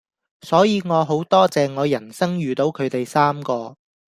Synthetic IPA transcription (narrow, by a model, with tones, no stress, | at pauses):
sɔː˨˥jiː˨˧ŋɔː˨˧ɦo˨˥wt̪ɔː˥t͡sɛː˨ŋɔː˨˧jɐ˨˩nsɐ˥ŋjyː˨t̪o˨˥wkʰɵ˨˧ɥt̪e˨jsaː˥mkɔː˧